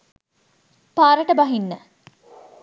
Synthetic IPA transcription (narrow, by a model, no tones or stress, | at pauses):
paːɾəʈəbɐɦinːə